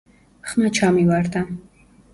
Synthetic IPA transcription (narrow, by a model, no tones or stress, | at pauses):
χmat͡ʃʰamivaɾd̪a